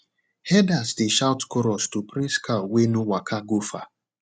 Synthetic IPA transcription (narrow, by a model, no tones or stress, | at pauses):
hɛdasdeʃawtkɔɾɔstupɾĩskawenuwakʰaɡofa̰